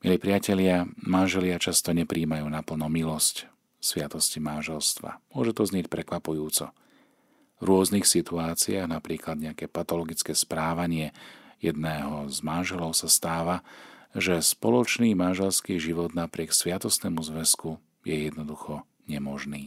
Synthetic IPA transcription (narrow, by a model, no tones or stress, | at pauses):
milipɾɪacɛʎɪamanʒɛlɪat͡ʃast̪ɔɲɛpɾiːmajuːnapl̩nɔmilɔsc | sʋɪat̪ɔscimanʒɛlst̪ʋa̰mʊɔʒɛt̪ɔzɲɛc̚pɾɛkʋapujuːt͡sɔ̰ | vɾʊɔzniːxsit̪uaːt͡siaːɣnapɾiːklad̪ɲɛakɛːpat̪ɔlɔɡit͡skɛːspɾaːʋaɲɪɛjɛd̪nɛːɦɔzmanʒɛlɔʊsast̪aːʋaʒɛspɔlɔt͡ʃniːmanʒɛlskiːʒiʋɔd̪napɾɪɛksʋɪat̪ɔst̪nɛːmuzʋɛsku | jɛjɛd̪nɔd̪uxɔ | ɲɛmɔʒniː